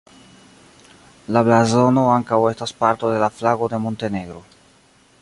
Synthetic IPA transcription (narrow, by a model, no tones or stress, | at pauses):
lablazo̞no̞aŋkawe̞staspaɾto̞de̞laflaɡo̞de̞mo̞nte̞ne̞ɡɾo̞